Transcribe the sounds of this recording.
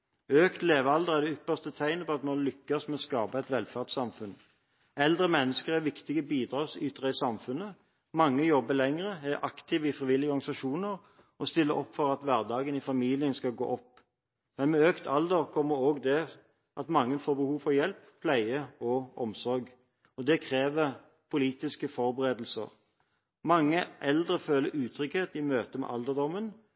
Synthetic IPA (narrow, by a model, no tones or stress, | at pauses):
øːkt̪leːʋəɑld̪əʁɛʁd̪ɛʏpːəʁst̪ət̪ʰæɪnəpɔɑt̪mɑlʏkːɑsmɛɔskɑːbɑɛt̪ʋɛlfæʁt̪sɑmfʉn | ɛld̪ʁəmɛnːəskəʁæʋɪkt̪ɪɡəbiːd̪ʁɑːsyːt̪ʰʁɛsɑmfʉnə | mɑŋːəjɔbːəlɛŋʁəæɾʔɑ̰kt̪ʰɪːʋɪfʁɪʋɪlːɪɡəɔɾʁɡɑnɪsɑʃuːnəɾ | ɔst̪ɪlːəʔɔ̰pːfɔʁɑt̪ʋæʁd̪ɑːɡənɪfɑmiːlɪənskɑɡo̰ːʔɔpː | mɛnmɛøːkt̪ʰɑ̰ld̪əʁkʰɔmːəɾoːɡd̪ɛ | ʔɑt̪mɑŋːənfoːɾbəhuːʋfɔʁjɛlppʰlæɪəɔɔmsɔɾɡ | ɔd̪ɛkʰɾeːʋəɾ | pʰʊliːt̪ɪskəfɔɾbəʁeːd̪l̩sə̰ʁ | mɑŋːəʔɛld̪ʁəføːləɾʉːt̪ʰɾʏkheːt̪ɪmøːt̪əmɛ̰ʔɑld̪əd̪ɔmːən